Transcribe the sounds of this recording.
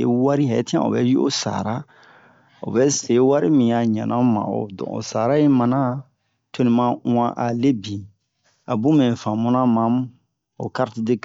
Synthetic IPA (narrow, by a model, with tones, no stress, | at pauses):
e˦wa˦ɾi˦ɦa˨ɛ˦ti˦ã̰˨o̰˨bɛ˦ji˦o˦sa̰˨ɾa˦ | o̰˨bɛ˦se˨˦wa˦ɾi˦mĩ˨ja˨ɲã̰˨nʔã˦mã̰˨o̰˨dɔ̰̃˨o̰˨sa˨ɾa˦je˦mã˨nã˦ | to˦nĩ˨mã˦ã˦ʔa˨le˦bĩ˨ | a˨bũ˦mɛ̃˨fã˨mũ˦nã˦mã˨m˦ | o̰˨ka˦ɾti˦de˦k